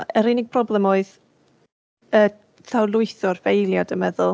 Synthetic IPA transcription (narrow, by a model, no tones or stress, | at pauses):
əɾɪnɪɡ̚pʰrɔblˠɛmɔɨð | ə | tʰawlˠʊɨθɔrvejlˠjadəmɛðʊlˠ